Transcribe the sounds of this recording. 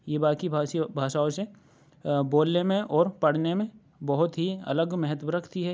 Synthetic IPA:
jebaːkibʱasbʱaːʃaːose | boːlnemẽʔɔːɾpɐɽ̤nemẽ | bɐɦʊt̪ɦiɐ̰ləɡmɛɦət̪wəɾɐkʰt̪iɦɛ

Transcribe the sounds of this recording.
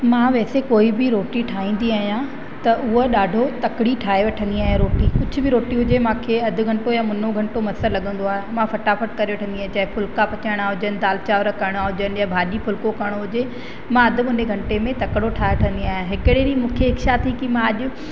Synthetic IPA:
mãʋɛːsekoːibɪɾoːʈiʈʰaːɦĩːnd̪iaːɦijã | t̪ɐʔʊɦoɗaːɖʱot̪ɐkɪɽiʈʰaːeʋɐʈʰə̃nd̪iaːɦijãɾoːʈikʊd͡ʑʱʊbɪɾoːʈiɦʊd͡ʑemãːkʰeːɐd̪ʱʊ̆ɡʱɐ̃ɳʈojãmʊnoɡʱɐ̃ɳʈomɐsəɾlɐɠə̃n̆d̪oaːɦemãfɐʈaːfəʈkɐɾiʋɐʈʰə̃nd̪iaːɦẽt͡ɕɐɦepʰʊlkapɐt͡ɕaːɪɽ̃aɦʊd͡ʑənɪ̆d̪aːlt͡ɕaːʋɾəkɐɾɪɽ̃aɦʊd͡ʑənɪ̆jãbʱaːɗipʰʊlkokɐɽ̃oɦʊd͡ʑe | mãɐd̪ʱɪ̆mʊneɡʱɐ̃ɳʈemẽt̪ɐkɪɽoʈʰaːeʋɐʈʰə̃nd̪iaːɦijãɦɪkɪɽeɾiːmũːkʰeɦɪkʃat̪ʰikimãɐʄʊ̆

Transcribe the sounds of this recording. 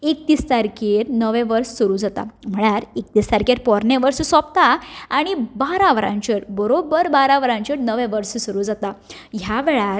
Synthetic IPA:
ek̚t̪ist̪aɾkeɾnəʋɛ̃ʋəɾsːuɾud͡zat̪a̰m̤əɭ̃aɾekt̪ist̪aɾkeɾpɔɾneʋəɾsəsɔpt̪aːɽ̃ibaɾaʋɾã̰ɲt͡ɕəɾbəɾobəɾbaɾaʋɾãɲt͡ɕəɾnəʋẽʋəɾsəsuɾuːd͡zat̪a | jaʋeɭaɾ

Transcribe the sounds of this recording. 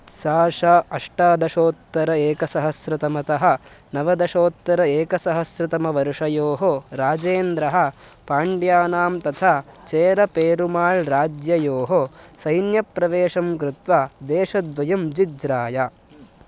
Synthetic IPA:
ʃaːʂaɐʂʈaːd̪ɐʃoːt̪ːɐɾɐeːkɐsɐɦɐsɾɐt̪ɐmɐt̪ɐɦɐ̆ | nɐʋɐd̪ɐʃoːt̪ːɐɾɐeːkɐsɐɦɐsɾɪt̪ɐmɐʋɐɾʂɐjoːɦoɾaːd͡ʒeːnd̪ɾɐɦɐ̆paːɳɖjaːnaːmt̪ɐt̪ʰaː | t͡ʃeːɾɐpeːɾumaːɭɾaːd͡ʒjɐjoːɦosɐjnjɐpɾɐʋeːʂɐmkɾut̪ʋad̪eːʃɐd̪ʋɐjɐmd͡ʒid͡ʒɾaːjɐ

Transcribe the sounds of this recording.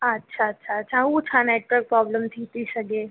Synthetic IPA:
ɐtːʃʰaɐtːʃʰaɐtːʃʰaut͡ʃʰaneːʈʋəɾk̚pɾɔːbləmt̪ʰit̪ʰisɐɡeː

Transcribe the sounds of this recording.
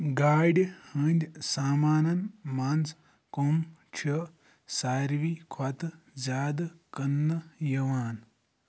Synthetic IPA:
ɡaːɖʲhɐnd̪ʲsaːmaːnɐnmaːns | komt͡ʃʰɐ | saːɾʋikʰwɐt̪zʲaːd̪kɐnːɐjɐʋaːn

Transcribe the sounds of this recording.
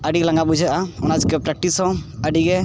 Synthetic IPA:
əɖiklaŋɡabud͡ʒʱaʔaɔnad͡ʒkɛpɾɛk̚ʈisɔ̃əɖiɡɛ

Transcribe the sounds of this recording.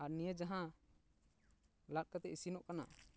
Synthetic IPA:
aɾnijəd͡ʒaɦã | lat̚kat̪ɛisinɔʔkana̰

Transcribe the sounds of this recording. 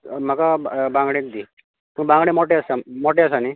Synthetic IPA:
m̤əkabãŋɡɽẽd̪i | pəkbãŋɡɽemoʈeəsamoʈeəsani

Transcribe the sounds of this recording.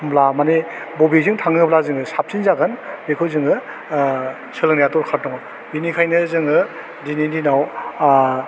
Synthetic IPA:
ɯmblamanebɔbizɯŋtʰaŋɯblazɯŋɯsap̚sinzaɡɯnbekʰɯwzɯŋɯ | sɯlɯŋnijatɔɾkʰaɾ̚ɔŋɔ | binikʰajnɯzɯŋɯ | dinindinaw

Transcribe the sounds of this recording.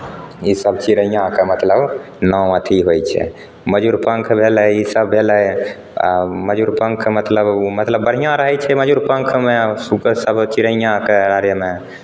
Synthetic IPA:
isəbt͡ʃiɾəjãkemət̪ləb | nɔ̃ət̪ʰiɦojt͡ʃʰɛ̰ | məd͡ʒuɾpə̃ŋkʰbʱeləisəbːʱeləj | məd͡ʒuɾpəŋkʰmət̪ləbmət̪ləbːəɽ̤ijãɾəɦɛt͡ʃʰɛməd͡ʒuɾpə̃ŋkʰmesuksəbt͡ʃiɾəjãkeɾaɾjəme

